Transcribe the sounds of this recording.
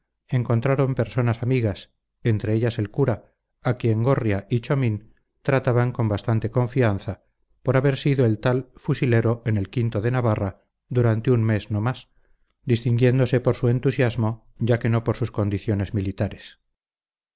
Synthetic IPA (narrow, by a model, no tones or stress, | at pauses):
e̞ŋko̞nt̪ɾaɾo̞mpe̞ɾso̞nasamiɣas | e̞nt̪ɾe̞eʎase̞lkuɾa | akje̞ŋɡo̞rjaʔit͡ʃomĩn | t̪ɾat̪aβaŋko̞mbast̪ant̪e̞kõ̞ɱfian̟θa | po̞ɾaβe̞ɾsiðoe̞lt̪alfusile̞ɾo̞ʔe̞ne̞lkint̪o̞ðe̞naβara | ðuɾant̪eunme̞zno̞mas | d̪ist̪iŋɡje̞nd̪o̞se̞po̞ɾsue̞nt̪usjazmo̞ | ɟ͡ʝake̞no̞po̞ɾsusko̞nd̪iθjo̞ne̞zmilit̪aɾes